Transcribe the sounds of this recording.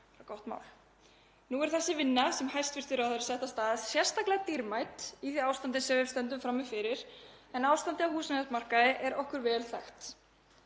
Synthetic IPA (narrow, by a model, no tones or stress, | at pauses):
akɔwht̪ma̰ːwl | nuɛɾ̥θɛsːɪvɪnːasɛmhajst̪vɪr̥t̪ɪɾawθaɾɪ̥sɛht̪ast̪aːðssjɛr̥st̪aklɛɣat̪iɾmajt̪iθiaːwst̪ant̪ɪsɛvɪ̥st̪ɛnt̪ʏmfɾamːɪfɪɾɪɾ̥ɛnaːwst̪ant̪ɪawhuːsmɛasmar̥kaðɪʔɛɾɔhkʏɾvɛːlθɛxt̪